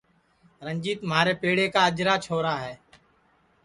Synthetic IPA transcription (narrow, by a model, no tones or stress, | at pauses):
ɾəɲd͡ʒiːt̪mɦaːɾeːpeːɽeːkaːəd͡ʒɾaːt͡ʃʰoːɾaːɦɛː